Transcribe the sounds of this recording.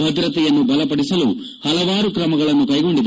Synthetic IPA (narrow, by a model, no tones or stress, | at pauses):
bʱɐt̪iɾɐt̪ɛjɐnːubɐlɐpɐɽisɐlu | hɐlɐʋaːɾukɾɐmɐɡɐɭɐnːukɐjɡo̞ɳɖid̪ɐ